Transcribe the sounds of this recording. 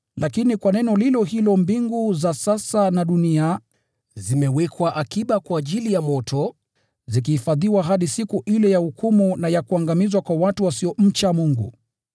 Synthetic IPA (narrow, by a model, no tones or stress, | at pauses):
lʔakinikwanɛnɔlilɔɦilɔmbiŋɡuzasasanaɗunia | zimɛwɛkwaʔakiɓakwaːʄilijamɔtʰɔ | zik̬ihifaðiwaɦaɗisikuʔilɛjahukumunajakuaŋɡamizwakwawatuwasiɔm̩t͡ʃamuŋɡṵ